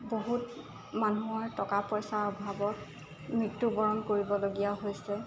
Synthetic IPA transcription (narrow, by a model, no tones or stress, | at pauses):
boɦut | manuɔɹtɔkapɹɔjsaɹɔbʱabɔt̚ | mɹitːubɔɹɔnkoɹibɔloɡijaɦojsɛ